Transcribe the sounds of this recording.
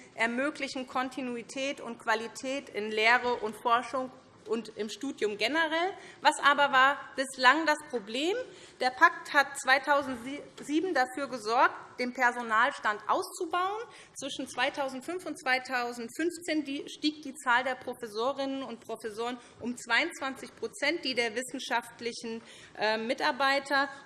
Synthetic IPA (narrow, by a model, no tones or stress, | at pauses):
ʔɛɐmøːklɪçn̩kʰɔntʰinuitʰɛːtʊntkv̥alitʰɛːtɪnleːʁ̞əʔʊntfɔɐʃʊŋ | ʔʊntʔɪmʃtuːdjʊmɡɛnəʁɛlvasʔaːbɐvaːɐb̥ɪslaŋdaspʁ̥obleːm | d̥eːɐpʰak̚that̚t͡sv̥aɪtʰaʊzn̩tz̥iːbm̩dafyːɐɡəzɔɐk̚td̥eːnpʰɛɐzonaːlʃtantʔa̰ʊst͡subaʊən | t͡sv̥ɪʃn̩t͡sv̥aɪtʰaʊzn̩tfʏnfʊntt͡sv̥aɪtʰaʊzn̩tfʏnft͡seːndiːʃtiːk̚d̥iːt͡saːldeːɐpʁ̥ofɛsoːʁɪnənʊnt̚pʁ̥ofɛsoːʁən | ʔʊmt͡sv̥aɪʊnt͡sv̥ant͡sɪçpʁ̥ot͡sɛnt̚d̥iːdeːɐvɪsn̩ʃaftlɪçn̩ | ʔɛmmɪtaɐbaɪtʰɐ